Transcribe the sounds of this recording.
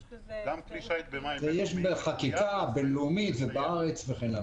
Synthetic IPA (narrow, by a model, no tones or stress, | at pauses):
zejeʃbeχakikabeloumit̪vebaaʁet͡sveχena